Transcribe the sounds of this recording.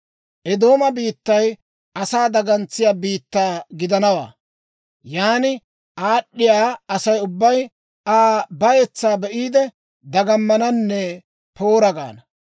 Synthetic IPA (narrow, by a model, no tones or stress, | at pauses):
ʔɛd̪o̞ːmɐbiːt̪ːɐj | ɐsaːd̪ɐɡɐnt͡sːɪjaːbiːt̪ːaːɡɪd̪ɐnɐwa̰ː | jaːnɪ | ʔaːɗːɪjaːɐsɐjʊbːɐj | aːbɐjɛt͡sːaːbɛʔiːd̪ɛ | d̪ɐɡɐmːɐnɐnːɛ | po̞ːɾɐɡa̰ːnɐ